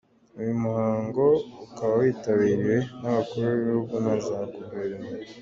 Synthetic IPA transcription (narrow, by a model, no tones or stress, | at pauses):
ujumuhaːŋɡo̞ukaβawiːtaβiːɾiɾe̞naβakuɾaβeββihuɡɡunaʒaɾakubeɾene